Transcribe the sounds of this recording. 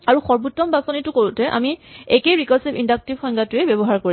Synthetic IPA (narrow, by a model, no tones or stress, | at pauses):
aɹuxɔɹbutːɔmbasɔnitʊkoɹutɛʔa̰miekejɹikɔɹsibindak̚tibxɔjŋɡatʊɛbɛbɔɦaɹkoɹi